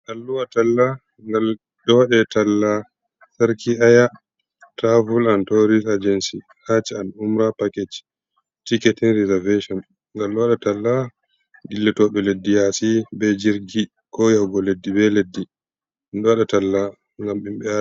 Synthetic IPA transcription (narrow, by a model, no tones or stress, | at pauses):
ʔalːuwaɗatalːa | ŋɡal | ɗɔɗɛtalːa | saɾkiʔaja | tavulantɔɾisad͡ʒɛnsi | hat͡ʃianumɾapaket͡ʃ | tiketinɾizɛveʃɔn | ŋɡalːwaɗatalːa | ɡilːɛtɔɓɛledːijasibɛd͡ʒiɾɡi | kɔjawɡɔledːibɛledːi | nɗɔwaɗɛtalːa | ŋɡamimbɛa